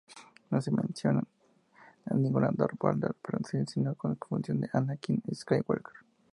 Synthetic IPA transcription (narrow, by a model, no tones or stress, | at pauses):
nosemẽnsjonan | aniŋɡunad̪oɾpald̪aɾpɾosilsinokonfunsjond̪eʔanakineskajwalkaɾ